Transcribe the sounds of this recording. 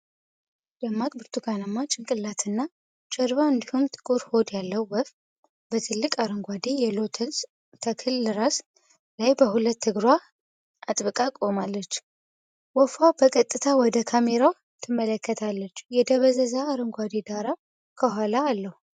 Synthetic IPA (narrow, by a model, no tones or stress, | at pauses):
jɛmːakʼbɨɾt̪ʰuɡanamːat͡ʃʼɪŋkʼɨlːat̪ʰɨnːa | t͡ʃʼəɾβaɨnd̪ihumt̪ʼɨ̥kʼuɾho̞d̪jalːəwwɔf | bət̪ʰɨlːɨkʼaɾɨŋɡʷad̪ejɛlo̞t̪ʰəns | k̪ʰəkʰɨlːɨɾas | lajbəhulət̪ʰːɨɡɾwa | ʔat̪ʼbɨkʼakʼo̞malːət͡ʃː | wɔfawbəkʼət̪ʼːɨt̪ʰawɔd̪əkʰame̞ɾaw | t̪ʰɨmːələkːət̪ʰalːət͡ʃːjɛd̪əβəzəzaːɾɨŋɡʷad̪ed̪aɾa | kʰəɦʷalaːlːəhu